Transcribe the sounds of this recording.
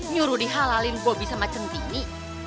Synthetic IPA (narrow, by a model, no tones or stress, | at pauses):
ɲuɾudiɦalalinkɔbisamat͡ʃəmt̪ini